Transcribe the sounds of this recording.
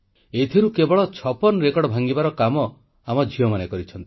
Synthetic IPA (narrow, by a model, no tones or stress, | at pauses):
et̪ʰiɾukebɔɭɔt͡ʃʰɔpɔnɾekɔɽɔbʱaŋɡibaɾɔkamɔ | amɔd͡ʒʱiɔmanekɔɾit͡ʃʰɔnt̪ii̥